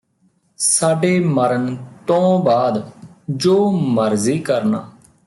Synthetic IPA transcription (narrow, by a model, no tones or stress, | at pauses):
saːɖeːməɾənt̪õːbaːd̪d͡ʒoːməɾziːkəɾna̰ː